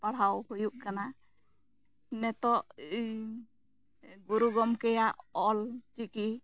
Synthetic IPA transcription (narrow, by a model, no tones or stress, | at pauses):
paɽ̤awhujuʔkana | nɛt̪ɔʔ | ɡuɾuɡɔmkɛjaʔɔlt͡ʃiki